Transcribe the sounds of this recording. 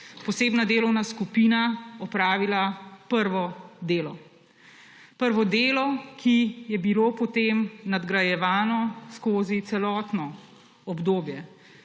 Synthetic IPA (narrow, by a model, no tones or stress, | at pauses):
pɔseːbnad̪eːlɔwnaskupiːnaɔpɾaːʋilapəɾʋɔd̪eːlɔ | pəɾʋɔd̪eːlɔkijɛbiloːpɔt̪emnad̪ɡɾajɛʋaːnɔskoːzit̪sɛlɔːt̪nɔ | ɔbd̪oːbjɛ